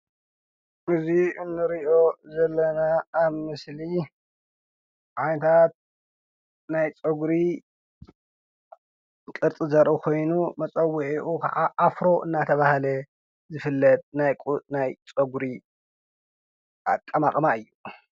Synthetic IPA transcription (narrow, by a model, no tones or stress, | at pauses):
ʔɨziɨnːɨɾiʔo̞zɐlːɐnaːβmɨsli | ʕanɐt̪ʰat̪̚ | najt͡sʼoɡɾi | kʼɨɾt͡s̪ʼɨzɐɾʔukʰo̞jnumɐt͡sʼɐwːʊʕiʔukʰɐ̰ʕaʔafɾo̞ʔɨnːat̪ʰɐβahlɐ | zɨfɨlːɐt̪̚najkʼnajt͡sʼɐɡɾi | ʔa̰kʼːɐmaqʼmaɨjːu